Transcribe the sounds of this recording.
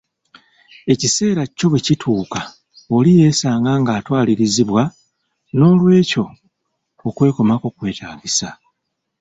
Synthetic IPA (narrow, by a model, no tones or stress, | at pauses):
e̞cise̞ːɾaco̞βwecitʰuːka | o̞lije̞ːsaːŋɡaŋɡaːtwaːliɾiziβwa | no̞ːlwe̞ːco̞ː | kwe̞ːko̞mako̞kwe̞ːtʰaːɡisa